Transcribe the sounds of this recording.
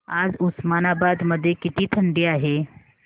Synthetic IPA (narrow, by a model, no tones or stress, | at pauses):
ad͡zusmanabad̪məd̪ʱːjekit̪iːt̪ʰəɳɖiːaɦe